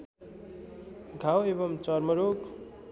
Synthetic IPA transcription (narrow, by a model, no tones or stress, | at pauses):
ɡʱawebʌmt͡sʌrmʌɾok